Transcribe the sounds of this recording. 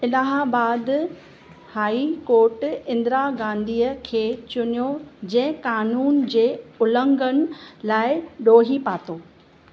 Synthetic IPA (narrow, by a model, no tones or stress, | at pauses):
ɪlaːɦabaːd̪ | haːikoːɾʈɪ̃nd̪ɪɾaɡãːnd̪ʱiːəkʰeːt͡ɕʊnijod͡ʑɐ̃ɦɪ̃kaːnuːnd͡ʑeːʊlə̃ŋɡənɪ̆laːɪɗoːɦipaːt̪oː